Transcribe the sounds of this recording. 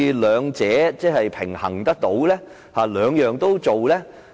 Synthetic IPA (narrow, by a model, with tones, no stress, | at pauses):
lœː˨˧ŋt͡sɛː˨˥t͡sɛː˥hɐ˨jpʰɪ˨˩ŋhɐ̰˨˩ŋt̪ɐ˥k̚t̪o˨˥wlɛː˥ | haː˨lœː˨˧ŋjœː˨ŋt̪o˥wt͡so˨wlɛː˥